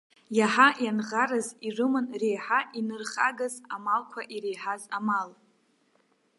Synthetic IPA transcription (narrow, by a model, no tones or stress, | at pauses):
jaħajanʁaɾazirɨmɨnre̞jħaʔinɨrχa̰ɡazamalkʷʰaʔiɾejħazamal